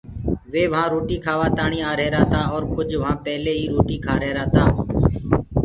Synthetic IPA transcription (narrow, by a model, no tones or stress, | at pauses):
ʋeːʋəɦãːɾoːʈiːkʰaːʋaːt̪aːɳiːaːɾeːɾaːt̪aːɔːɾkʊd͡ʒʱʋɦãːpɛɦleːɦiːɾoːʈiːkʰaːɾeːɾaːt̪aːɦː